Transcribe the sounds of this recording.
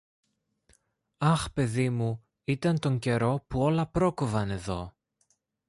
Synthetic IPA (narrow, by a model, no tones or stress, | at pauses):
ɐxpe̞ðimu | it̪ɐnt̪o̞ɲɟe̞ɾo̞puo̞lɐpɾo̞kovɐne̞ðo̞̰